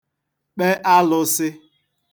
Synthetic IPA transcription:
k͡pe˦ʔa˦lʊ˦sɪ˦

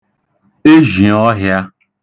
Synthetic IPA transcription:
e˦ʒi˨ɔ˦ɦja˦

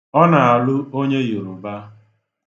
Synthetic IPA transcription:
ɔ˦na˨a˨lʊ˦o˦ɲe˦ju˨ɾʊ˨ba˦

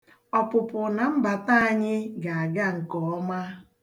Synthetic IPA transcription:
ɔ˨pʊ˨pʊ˨na˨m̩˦ba˨ta˦a˨ɲɪ˦ɡa˨a˨ɡa˦ŋ̩˨kɔ˨ɔ˦ma˦

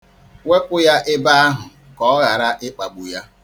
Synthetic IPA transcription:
we˦kʷʊ˦ja˦ʔɪ˦ba˦a˦ɦʊ˨ | kɔ˦ɣa˨ɾa˦ʔɪ˦k͡pa˨ɡ͡bu˨ja˦

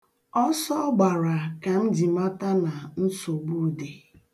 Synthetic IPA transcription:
ɔ˦sɔ˦ɡ͡ba˨ɾa˨ka˨n̩˦d͡ʒi˨ma˦ta˦na˨n̩˦so˨ɡ͡bu˦de˨

